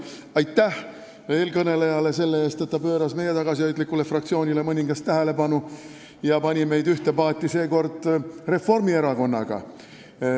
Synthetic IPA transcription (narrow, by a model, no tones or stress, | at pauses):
ɑjt̪ːæh | e̞ːlkɤne̞lejɑle̞se̞lːe̞e̞ːst̪et̪ːɑpø̞ːɾɑsme̞je̞t̪ɑɡ̥ɑsiojd̪likːˑule̞frɑkt̪sio̞ːnʲile̞mɤnʲiŋɡ̥ɑst̪ːæɦe̞le̞pɑnu | jɑpɑnʲime̞jd̪yht̪e̞pɑːt̪ʲːˑise̞ːko̞rd̪̥re̞fo̞rmie̞ɾɑko̞nːɑ̰ɡ̥ɑ̰